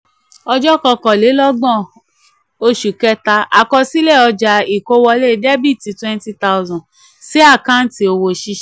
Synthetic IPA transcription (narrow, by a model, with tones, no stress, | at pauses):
ɔ˧d͡ʒɔ˦kɔ˧kɔ˨le˨˦lɔ˦ɡ͡bɔ̃˦˨ | o˧ʃu˨kɛ˦ta˧ʔa˨kɔ˧si˦lɛ˦˨ɔ˧d͡ʒa˨i˨ko˦wɔ˧le˦de˦bi˦˨ti˧twɛ̃˦n˦ti˦ta˦˧ʊ˧zɔ̃˨ | si˨˦a˦˨kã˦n̩˦ti˧o˧wo˧ʃi˧˦ʃ